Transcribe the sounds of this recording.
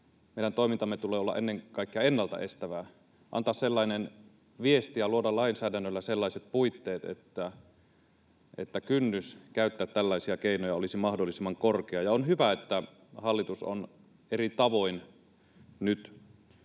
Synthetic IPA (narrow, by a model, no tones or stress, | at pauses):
meˑidænt̪oimint̪ɑmːet̪uleːolːɑ̰ʔenːeŋkɑikːeɑenːɑlt̪ɑ̰ʔest̪æʋæ | ʔɑ̰nt̪ɑːsselːɑinen | ʋiest̪ijɑluodɑlɑinsæːdænːølːæselːɑˑiset̪̚puit̪ːeːt̪ḛt̪ːæ | ʔet̪ːækynːyskæˑyt̪ːæːt̪t̪ælːɑˑisiɑkeinojɑolisimɑhdolːˑisimːˑɑŋkorkeɑjɑonhyʋæet̪ːæ | hɑlːit̪uso̰n | erit̪ɑʋoin | nyt̪